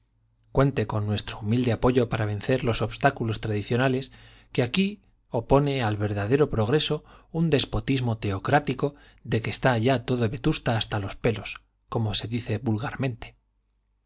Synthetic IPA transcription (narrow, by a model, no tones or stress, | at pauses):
kwe̞nt̪e̞ko̞nːwe̞st̪ɾoumild̪e̞apo̞ʝo̞paɾaβ̞e̞nθe̞ɾlo̞so̞βst̪akulo̞st̪ɾaðiθjo̞nale̞s | keaki | o̞po̞ne̞alβe̞ɾðaðe̞ɾo̞pɾo̞ɣ̞ɾe̞so̞und̪e̞spo̞t̪izmo̞t̪e̞okɾat̪iko̞ | ðe̞ke̞st̪aʝat̪o̞ðo̞βe̞t̪ust̪aːst̪alo̞spe̞lo̞s | ko̞mose̞ðiθe̞βulɣaɾmẽ̞nt̪e̥